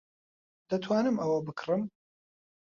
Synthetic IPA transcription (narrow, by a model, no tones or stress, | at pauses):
d̪̥ɐt̪ʰwaːnɨmʔɐwɐbɨkʰrɨm